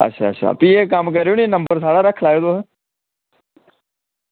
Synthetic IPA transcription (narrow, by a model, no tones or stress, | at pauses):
ə̰tːʃʰa̰ːətːʃʰa̰piekamkɐɾoːninə̃mbəɾsaːɽaɾəkʰlaːed̪oɦɛ